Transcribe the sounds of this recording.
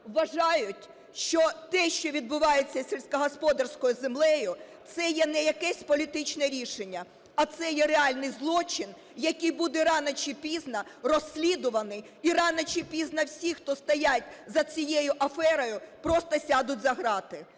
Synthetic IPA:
ʋɐʒɑjʊtʲ | ʃt͡ʃɔt̪ɛʃt͡ʃɔʋʲid̪̚bʊʋɑjet͡sʲːɐsʲelʲsʲkɐɦɔspɔd̪ɐrsʲkɔjʊzemlˠɛjʊt̪sɛjɛnɛjɐkɛsʲpɔlʲit̪ɪt͡ʃnɛɾʲiʃenʲːɐ | ɐt̪sɛjɛreɑlʲnɪjzlˠɔt͡ʃɪn | jɐkɨjbud̪ɛɾɑnɐt͡ʃipʲiznɐrɔsʲlʲid̪ʊʋɐnɪj | irɑnɐt͡ʃipʲiznɐwsʲixt̪ɔst̪ɐjatʲzɐt͡sʲijejʊʔɐfɛɾɔjʊpɾɔst̪ɐsʲɑd̪ʊtʲzɐɦɾɑt̪ɪ

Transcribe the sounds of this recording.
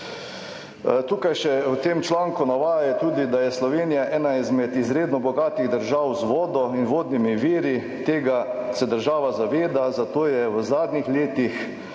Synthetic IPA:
t̪uːkajʃɛwt̪eːmt͡ʃlaːŋkunaʋaːjajɛt̪uːd̪id̪ajɛslɔʋeːnijaʔɛːnaizmɛt̪izɾeːd̪nɔbɔɡaːt̪iɣd̪əɾʒawzʋɔːd̪ɔinʋoːd̪nimiʋiːɾi | t̪eːɡasɛd̪əɾʒaːʋazaʋeːd̪azat̪oːjɛwəzaːd̪nixleːt̪ix

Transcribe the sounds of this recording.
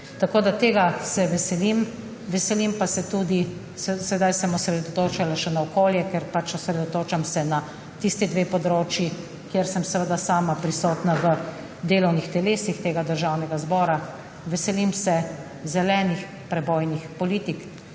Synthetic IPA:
t̪akoːd̪at̪eːɡasɛʋɛsɛlim | ʋɛsɛlimpasɛt̪uːd̪i | sɛsɛd̪ajsɛmɔsɾɛd̪ot̪oːt͡ʃalaʃɛnaɔkoːljɛkɛɾpat͡ʃɔsɾɛd̪ot̪oːt͡ʃamsɛna | t̪ist̪id̪ʋeːpɔd̪ɾoːt͡ʃji | kjeɾsəmsɛʋəd̪asaːmapɾisɔːt̪naʋə | d̪eːlɔwnixt̪ɛleːsixt̪eːɡad̪əɾʒaːwnɛɡazbɔːɾa | ʋɛsɛlimsɛ | zɛlɛːnix | pɾɛboːjnixpɔliːt̪ik

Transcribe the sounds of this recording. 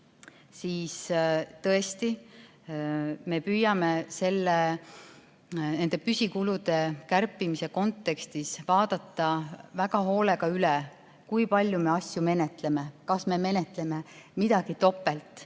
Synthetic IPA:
siːst̪ɤ̞est̪i | me̞pyːjɑme̞se̞lːe | ne̞nd̪̥e̞pysʲikulud̪̥e̞kærpːˑimise̞ko̞nt̪ːˑe̞kst̪isvɑːd̪̥ɑt̪ːɑvæɡɑɦo̞ːle̞ɡ̥ɑyle | kujpɑlʲjume̞ɑsʲjume̞ne̞t̪le̞me̞kɑsme̞me̞ne̞t̪le̞me̞mid̪̥ɑɡ̥it̪o̞pːˑe̞lt̪ˑ

